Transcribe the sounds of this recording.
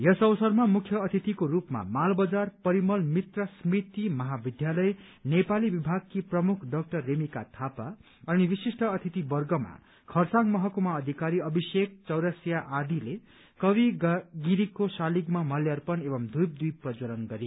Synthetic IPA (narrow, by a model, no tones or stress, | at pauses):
jʌsʌwʌsʌrmamukʰjʌːt̪ʰit̪ikoɾupma̰malbʌd͡zarpʌɾimʌlmit̪rʌsmit̪imʌɦabid̪ʱjalʌjnepalibibʱaɡ̚kiprʌmukʰɖʌk̚ʈʌrːemikat̪ʰapa | ʌnibisisʈʌːt̪ʰit̪ibʌrɡʌma̰ | kʰʌrsaŋmʌɦʌkomaʌd̪ʱikaɾiʌbʱisek̚t͡sʌwɾʌsjaʔad̪ile | kʌbiɡiɾikosaliɡmamʌljarpʌnebʌmd̪ʱujp̚d̪ujprʌd͡zoɾʌnɡʌɾe